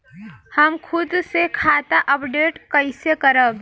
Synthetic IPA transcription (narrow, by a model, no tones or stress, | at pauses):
həmkʰʊd̪sekʰaːt̪aʔəpɖeːʈkəɪsekəɾəb